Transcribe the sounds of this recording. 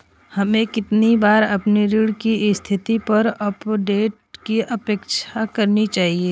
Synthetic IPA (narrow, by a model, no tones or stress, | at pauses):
hɐmẽkɪt̪nibaːɾɐpniɾiːɽkist̪ʰɪt̪ipɐɾɐpɖeːʈ̚kiʔɐpeːkʃakɐɾnit͡ʃaːɦieː